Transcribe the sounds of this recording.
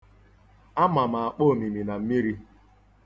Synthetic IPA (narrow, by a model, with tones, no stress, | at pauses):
a˦ma˨ma˨a˨k͡po˦˨mi˨mi˨na˨m̩˦mi˦ɾi˦